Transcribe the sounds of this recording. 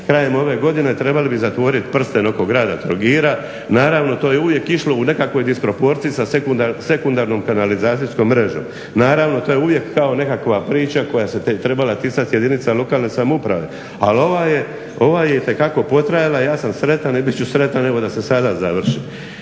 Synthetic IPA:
kɾaje̞mo̞ʋe̞ɡo̞d̪ine̞t̪ɾe̞balibizat̪ʋo̞ɾit̪pr̩st̪eno̞ko̞ɡɾaːd̪a̰t̪ɾoɡiːɾa | naːɾaʋno̞t̪oːjeuʋje̞kiʃlo̞une̞kakʋo̞jd̪ispɾo̞po̞ːɾt̪siisasekuse̞kund̪aːɾno̞ːmkanalizaːt̪ijusko̞mːɾe̞ʒo̞̰m | naːɾaʋno̞t̪o̞ːjeuʋje̞kːao̞ne̞kakʋapɾiːt͡ɕako̞jaset̪ɾe̞balat̪isat̪jed̪init̪salˠo̞kaːlˠne̞samupɾaʋe̞̰ | alo̞ʋaje̞ | o̞ʋaːje̞it̪e̞kako̞po̞t̪ɾajalajaːsamsɾe̞t̪anibit̪t͡ɕt͡ʃusɾe̞t̪aneɡo̞d̪ase̞sad̪azaʋr̩ʃi

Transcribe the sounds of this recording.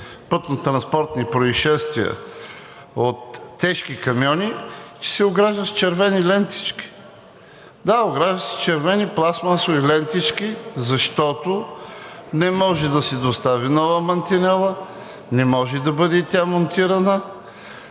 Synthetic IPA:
pɤt̪not̪ɾɐnspɔɾt̪nipɾoiʃɛst̪viə̰ | ot̪ːɛʃkikɐmjɔnit͡ʃsɛoɡɾaʒd̪əst͡ʃɛɾvɛnilɛnt̪i̥t͡ʃki̥ | d̪aoɡɾaʒəst͡ʃɛɾvɛniplˠasmasoilɛnt̪it͡ʃkizɐʃt̪ɔt̪o | nɛmɔʒɛd̪ɐsɛd̪ost̪avinɔvəmɐnt̪inɛlˠə | nɛmɔʒɛd̪ɐbɤd̪ɛt̪ʲamont̪iɾɐnə

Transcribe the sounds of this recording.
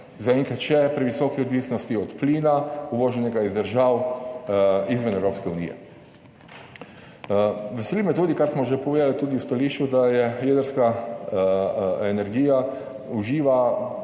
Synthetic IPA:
zaɛŋkat͡ʃɛpɾiʋisɔːkiɔd̪ʋiːsnɔst̪iɔt̪pliːnauʋoːʒɛnɛɡaizd̪əɾʒaw | izʋɛnɛwɾoːpskɛunḭːjɛ̰ | ʋɛsɛlimɛt̪uːd̪ikaɾsmɔʒɛpɔʋeːd̪alit̪uːd̪iwst̪aliːʃt͡ʃud̪ajɛjed̪əɾska | ɛnɛɾɡiːja | uʒiːʋa

